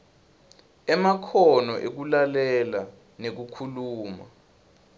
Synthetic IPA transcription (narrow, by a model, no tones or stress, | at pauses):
ɛmakʰɔnɔʔek̬ulalɛla | nek̬ukʰuluːma̰